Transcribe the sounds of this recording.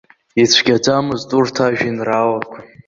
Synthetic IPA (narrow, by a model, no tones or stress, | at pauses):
it͡ɕʷʰɡʲad͡zamɨzdʼurtʰaʒᶣinralakʷʰa